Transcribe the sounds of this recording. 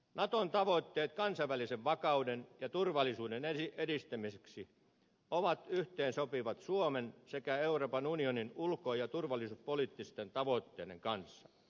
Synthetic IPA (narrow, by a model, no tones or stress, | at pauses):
nɑt̪ont̪ɑʋot̪ːeːt̪kɑnsɑʋʋæliseʋʋɑkɑudenjɑt̪urʋɑlˑisuːdeneiedist̪æmiseksi | oʋɑt̪yht̪eːnsopiʋɑt̪suomensekæeuroːpɑnunioninulkoːjɑt̪urʋɑlːˑisuspoliːˑt̪ːist̪ent̪ɑʋoˑt̪ːḛːdḛŋkɑnsːɑ